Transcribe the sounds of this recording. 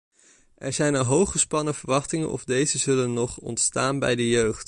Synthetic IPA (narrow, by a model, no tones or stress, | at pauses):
ʔɛɹzɛjnəɦowχəspɑnəvəɹʋɑχtɪŋə̰nʔɔ̰vdejzəzɵlənːɔχɔ̰ntstaːnbɛ̰jdəjøɥχt